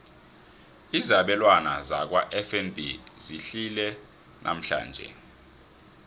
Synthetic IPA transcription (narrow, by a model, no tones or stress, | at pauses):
izaɓɛlwanaza̰k̬waʔɛfɛnbʱiziɬilɛ | nʔa̰m̩ɬa̰ːnd͡ʒʱɛ̰